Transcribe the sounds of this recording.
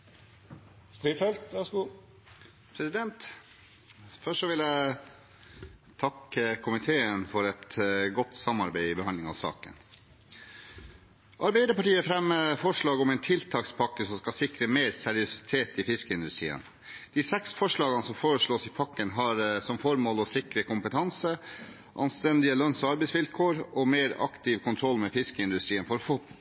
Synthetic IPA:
st̪ɾiːfɛlt̪ʋæsku | pʰɾɛsɪd̪ɛnt̪ | fœʂɔʋɪljæɪ | t̪ʰɑkːəkʰʊmɪt̪ʰeːənfɔɾɛt̪ɡɔt̪sɑmɑɾbæɪɪbəhɑnɪŋɑʋsɑ̰ːkə̰n | ʔɑɾbæɪd̪əɾpɑʈiːəfɾɛmːəfɔʂɭɑːɡɔmɛɪnt̪ʰɪlt̪ʰɑːkspʰɑkːəsɔmskɑsɪkɾəmeːɾsɛɾɪʊsɪ̥t̪ʰeːt̪ɪfɪskəɪnd̪ʉst̪ɾḭːə̰n | d̪̥iːsɛksfɔʂɭɑːɡɑnəsɔmfoːɾəʂɭoːsɪpʰɑkːənɦɑɾsɔmfɔɾmoːlɔsɪkɾəkʊmpət̪ʰɑnsə | ʔɑ̰nst̪ɛnd̪ɪəlœnsɔɑɾbɛɪsʋɪlkʰoːɾɔmeːɾɑ̰kt̪ɪʋkʰʊnt̪ʰɾɔlːmɛːfɪskəɪnd̪ʉst̪ɾiːənfɔɾfoː

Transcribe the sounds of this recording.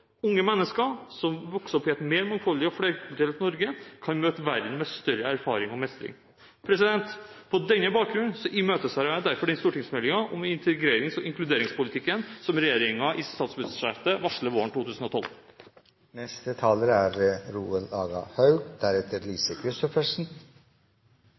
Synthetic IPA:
ʊŋːəmɛnːəskəɾsɔmʋɔksɔpːɛt̪meːɾmɑŋfɔlːɪɔfleɾkʰʊlt̪eːlt̪nɔɾɡəkʰɑnmøːt̪əʋæɾd̪n̩mɛst̪œɾəæɾfɑːɾɪŋɔmɛst̪ɾɪ̰ŋ | pʰɾɛsɪd̪ɛnt̪pʰɔd̪ɛnːəbɑːk̚ɡɾʉnsɔʔɪmøːt̪əsɑɾd̪æɾfɔɖɛnst̪uːʈɪŋsmɛlːɪŋɑʔɔmɪnt̪ʰəɡɾeːɾɪŋsɔʔɪŋklʉd̪eːɾɪŋspʊlɪt̪ʰɪkːənsɔmɾɛjeːɾɪŋɑʔɪst̪ɑːt̪sbʉsʂæɾt̪əʋɑʂləʋoːəɳʈ̪uːt̪ʰʉːsn̩ɔt̪ʰɔl | nɛst̪ət̪ʰɑːləɾæɾɾuːəlɑːɡɑ̰hœʉɡd̪̥æɾɛt̪əɾliːsəkʰɾʏst̪ɔfəʂn̩

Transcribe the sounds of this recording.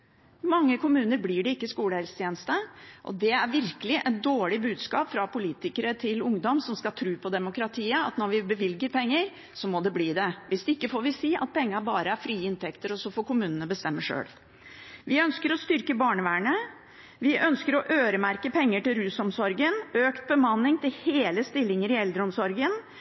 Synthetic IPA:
mɑŋːəkʊmʉːnəɾblɪːɖɛɪkːəskuːləhɛlsə̥t̪ʰjeːnəst̪əʔɔ̰d̪ɛæɾʋɪɾkəlɪʔɛt̪̚d̪oːɭɪbʉːd̪skɑ̰ːpfɾɑpʊliːt̪ɪkəɾət̪ʰɪlʊŋd̪ɔmsɔmskɑlt̪ʰɾʉːpʰɔd̪ɛmʊkɾɑt̪ʰiːəɑ̰t̪nɔɾʋɪbəʋɪlɡəɾpʰɛŋːəɾ | sɔmɔd̪ɛbliːd̪ɛʋɪsd̪ɛɪkːəfoːɾʋɪsiːʔɑ̰t̪̚pʰɛŋːəbɑːɾəæɾfɾiːɪnt̪ɛkt̪əɾɔsɔfoːkʊmʉːnənəbəst̪ɛmːəʂø̰ːl | ʋɪœnskəɾɔst̪ʏɾkəbɑːɳəʋæːɳə | ʋɪʔœnskəɾɔʔøːɾəmæɾkəpʰɛŋːəʈɪlɾʉːsɔmsɔɾɡənøːkt̪̚bəmɑnːɪŋt̪ʰɪlheːləst̪ɪlːɪŋəɾɪɛld̪ɾəɔmsɔɾɡən

